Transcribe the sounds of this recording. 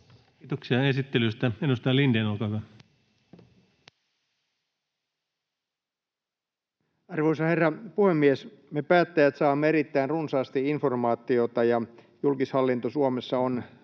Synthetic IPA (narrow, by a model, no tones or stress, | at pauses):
t̪oksiɑesit̪ːelyst̪æenust̪ɑlindenolkɑːkɑ | ɑrʋoisɑherːɑpuhemːiesmepæːt̪ːæjæt̪sɑːmːeeɾit̪ːæinrunsɑːst̪iinformɑːt̪ːˑiot̪ɑjɑ | julkishɑlːint̪osuomesːɑon